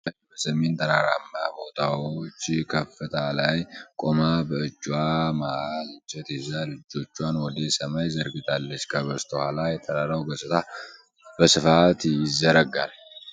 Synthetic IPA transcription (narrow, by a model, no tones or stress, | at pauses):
jbəsɐment̪ʰɐnaɾa̰mːa̰mo̞t̪ʰʼawot͡ʃːkʰɐfːɛt̪ʰalajkʼɔmabəɨd͡ʒʼːwamalt͡ʃʼːɛt̪ɛzalɪd͡ʒo̞t͡ʃːwanwɔd̪esɐmajzəɾɡɪt̪ʰalːət͡ʃːkʰəbɐst̪ʰhalajɛt̪ʰɐnaɾawɡɐsʼɪt̪a | bəsɨfat̪jɪzːɐɾɐɡa̰l